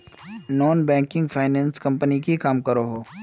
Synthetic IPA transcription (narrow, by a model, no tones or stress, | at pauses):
nɔːnbɛ̃ːŋkɪ̃ŋɡfʰaːɪnɛ̃ːnskɐ̃mpənikikaːmkəɾoɦoː